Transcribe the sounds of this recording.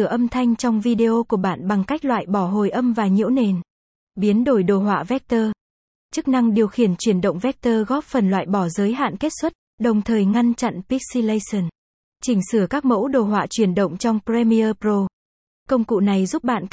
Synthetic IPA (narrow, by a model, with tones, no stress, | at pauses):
ɨ˧˩əʔə˧mt̪ʰa˧jŋ̟t͡ɕɔ˧wŋ͡mvi˧ɗe˧ʔo˧ku˧˩əɓa̰ː˧˨nɓa˨˩ŋka˦˥jk̟̚lwa̰ː˧˨jɓɔ˧˩ɦo˨˩jʔə˧mvaː˨˩ɲḭ˧˥wne˨˩n | ɓi˨˦ənɗo˧˩jɗo˨˩ɦwa̰ː˧˨vɛ˦˥k̚t̪əː˧ | t͡ɕɨ˦˥k̚na˧ŋɗi˨˩əwxi˧˩ənt͡ɕwi˧˩ənɗə̰˧˨wŋ͡mvɛ˦˥k̚t̪əː˧ɣɔ˦˥p̚fə˨˩nlwa̰ː˧˨jɓɔ˧˩zəː˨˦jɦa̰ː˧˨nke˦˥t̚swə˦˥t̚ | ɗə˨˩wŋ͡mt̪ʰəː˨˩jŋa˧nt͡ɕa̰˧˨npi˦˥k̚si˧lə˧jsə˨˧˩n | t͡ɕï˧˩ŋ̟sɨ˧˩əkaː˦˥k̚mo̰˧˥wɗo˨˩ɦwa̰ː˧˨t͡ɕwi˧˩ənɗə̰˧˨wŋ͡mt͡ɕɔ˧wŋ͡mpzɛ˧mi˧əː˧pɾo˧ | kə˧wŋ͡mkṵ˧˨na˨˩jzu˦˥p̚ɓa̰ː˧˨n